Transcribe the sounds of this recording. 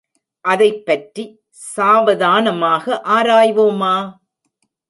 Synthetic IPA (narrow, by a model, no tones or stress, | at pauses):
ʔɐðɐɪpːɐʈri | saːʋɐðaːnɐmaːɣɐʔaːɾaːjʋoːmaː